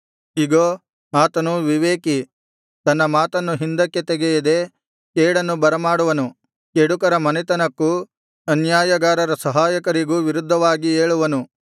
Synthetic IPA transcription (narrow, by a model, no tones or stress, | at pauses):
iɡo | aːt̪ɐnuʋiʋeːki | t̪ɐnːɐmaːt̪ɐnːuɦind̪ɐkːe̞t̪eɡejid̪e̞ | keːɽɐnːubɐɾɐmaːɽuʋɐnu | keɽukɐɾɐmɐnit̪ɐnɐkːu | ɐnjaːjɐɡaːɾɐɾɐsɐɦaːjɐkɐɾiɡuʋiɾud̪ʱːɐʋaːɡieːɭuʋɐnu